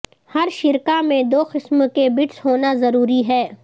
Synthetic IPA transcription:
hɐɾʃɪɾkamẽd̪oːqɪsmkebɪʈsɦoːnazɐɾuːɾiɦɛː

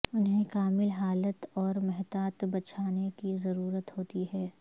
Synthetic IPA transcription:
ʊnɦẽkaːmɪlɦaːlət̪ɔːɾmɛɦt̪aːt̪bɐt͡ʃʰaːnekizɐɾuːɾət̪hoːt̪iɦɛː

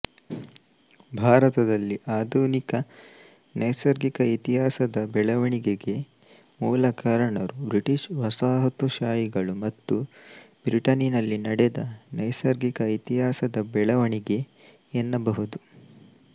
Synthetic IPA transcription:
bʱaːɾɐt̪ɐd̪ɐlːiʔaːd̪ʱuːnikɐ | nɐjsɐɾɡikɐit̪iɦaːsɐd̪ɐbɛɭɐʋɐɳiɡeɡe̞ | muːlɐkaːɾɐɳɐɾubɾiʈiʃʋɐsaːɦɐt̪uʃaːjiɡɐɭumɐt̪ːubɾiʈɐninɐlːinɐɽed̪ɐnɐjsɐɾɡikɐit̪iɦaːsɐd̪ɐbɛɭɐʋɐɳiɡe̞ː | nːɐbɐɦud̪u

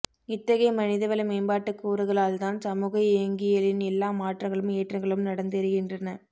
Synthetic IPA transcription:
ɪt̪ːɐɣɐɪmɐnɪðɐʋɐlɐmeːmbaːʈːɯkːuːɾɯɣɐɭaːlt̪aːnsɐmuːɣɐeːŋɡɪjɐlɪnɛlːaːmaːʈrɐŋɡɐɭɯmeːʈrɐŋɡɐɭɯmnɐɽɐnd̪ɐɾɯɣɪndrɐnɐ

